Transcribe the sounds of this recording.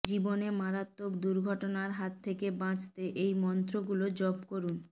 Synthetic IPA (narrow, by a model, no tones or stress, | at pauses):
d͡ʑibonemaɾat̪ːokd̪uɾɡʱɔʈonaɾɦat̪ʰːekebãt͡ɕt̪eʔejmɔnt̪ɾoɡulod͡ʑɔbkoɾun